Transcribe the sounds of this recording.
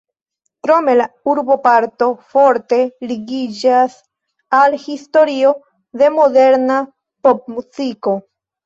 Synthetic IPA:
kɾo̞me̞lauɾbo̞paɾt̪o̞fo̞ɾte̞liɡid͡ʒas | alhisto̞ɾio | d̪e̞mo̞d̪e̞ɾna | pop̚mut͡siko̞

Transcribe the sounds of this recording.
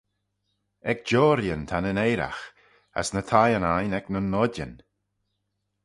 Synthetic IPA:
ɛk̚d͡ʒɔːɾjənt̪ʰanənejɾa̰x | a̰snət̪ʰajənajnɛknənːɔdə̰n

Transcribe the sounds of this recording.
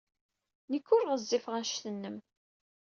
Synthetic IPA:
nəkːʊɾʁəzːifʁænʃθənːəm

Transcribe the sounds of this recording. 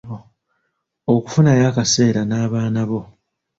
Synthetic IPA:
o | oku̥funajaːkase̞ːɾanaːβaːnaβo̞

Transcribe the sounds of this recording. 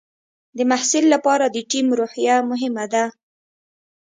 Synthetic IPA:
d̪əmahsɪlːapɑɾad̪əʈimɾoħjamʊɦɪmad̪a

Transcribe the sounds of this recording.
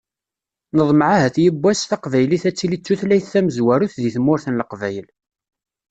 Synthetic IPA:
nəðˤmʕaɦæθjəbːæsθɑqvæjliθæt͡sːilit͡sːuθlæjθːæməzwæɾuθðiθmːʊɾθənləqvæjəl

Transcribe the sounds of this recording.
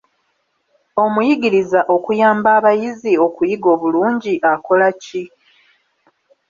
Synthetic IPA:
o̞mujiɡiɾizaʔo̞kujaːmbaːβajizio̞kujiɡo̞ːβuluːɲɟiʔako̞laci

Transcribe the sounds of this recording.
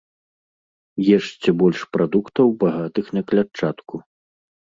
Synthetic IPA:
jɛʂt͡sʲɛbɔlʲʂpɾad̪ukt̪ɐwbaɣat̪ɨxnʲɐklʲat͡ʂːat̪ku

